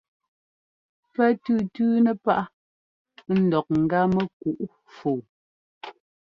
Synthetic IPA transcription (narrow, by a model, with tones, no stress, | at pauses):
pɛ˦tʉ˦tʉː˦nɛ˦pa˦ʔa˦ | n̩˦˨dɔ˨k̚ŋ̩˨ɡa˦mə˦ku˨ʔ | fo˨